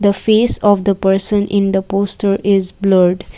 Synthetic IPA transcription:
d̪əfeːsɔʋd̪əpəɾsə̃nʔɪ̃nd̪əpoːsʈəɾɪzbləɾɖ

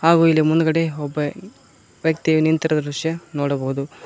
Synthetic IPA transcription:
haːɡuːilːimund̪ukɐɽeɔbːɐ | ʋjɐk̚t̪ijunint̪ɐɾɐd̪ɐɾuʂjɐnoːɽɐbɐɦud̪u

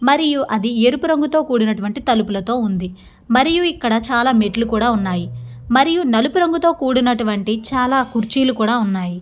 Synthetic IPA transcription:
mɐɾijuʔɐd̪ieːɾupuɾɐŋɡut̪o̞ːkuːɽinɐʈuʋɐɳʈit̪ɐlupulɐt̪o̞ːund̪i | mɐɾijuikːɐɽɐt͡ʃaːlaːmeʈlukuːɽaːunːaːji | mɐɾijunɐlupuɾɐŋɡut̪o̞ːkuːɽinɐʈuʋɐɳʈit͡ʃaːlaːkuɾt͡ʃiːlukuːɽaːunːaːji

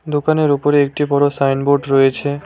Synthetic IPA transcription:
d̪okaneɾupoɾeek̚ʈibɔɾosajnboɾɖɾɔet͡ɕʰe

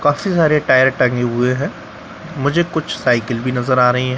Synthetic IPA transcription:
kãːfisaːɾeʈaːjəɾʈɐ̃ŋɡeɦʊeɦɛ̃ː | mʊd͡ʒʱekʊt͡ʃʰsaːɪkəlbʱinɐzəɾaːɾɐɦiɦɛ̃

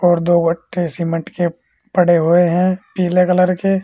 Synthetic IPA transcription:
ɔːɾd̪oːwəʈʰːesimə̃ʈke | pəɽ̤eɦoeɦɛ̃ːpiːlekələɾke

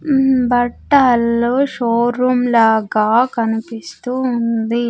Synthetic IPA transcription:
bɐʈːaːlːoʂoːɾuːmlaːɡaːkɐnipist̪uːnd̪i

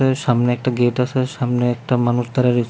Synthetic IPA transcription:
eʃamneɛk̚ʈaɡeʈasʰeʃamneɛk̚ʈamanuʃd̪aɾaɾi

